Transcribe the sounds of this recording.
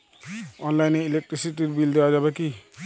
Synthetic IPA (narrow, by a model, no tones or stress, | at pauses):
ɔnlajneilek̚ʈɾisiʈiɾbild̪ɛwad͡ʒabaki